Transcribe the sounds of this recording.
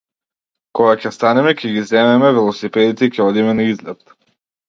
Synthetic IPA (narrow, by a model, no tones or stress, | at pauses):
kɔɡakʲɛst̪anɛmɛkʰɛɡizɛmɛmɛvɛlˠɔsipɛd̪it̪ɛicʲɛɔd̪imɛnaizlɛt̪